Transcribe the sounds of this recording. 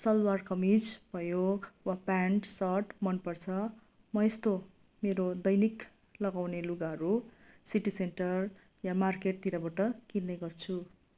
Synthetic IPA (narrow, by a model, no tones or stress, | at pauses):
sʌlwarkʌmid͡zbʱʌjowapaɳʈsʌʈmʌnpʌrt͡sʰʌ | mʌest̪o | meɾod̪ʌjnik | lʌɡawneluɡaɦʌɾusiʈiseɳʈʌr | jamarkeʈ̚t̪iɾabaʈʌkilneɡʌrt͡sʰu